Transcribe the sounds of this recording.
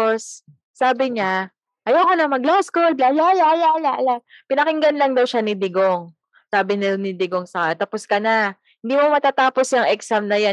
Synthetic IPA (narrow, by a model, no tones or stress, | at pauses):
osː | aːbɪɲa | ʔɐjawkonɐmɐɡlawskold̪lalalalalaʔlapɪnɐkɪŋɡɐnlɐŋd̪ɐwʃanɪd̪ɪɡoŋ | saːbɪnɪnɪd̪ɪɡoŋsɐkat̪aposkɐna | hɪ̃nd̪iːmomɐt̪aːt̪aːposjɐŋʔɛksamnɐja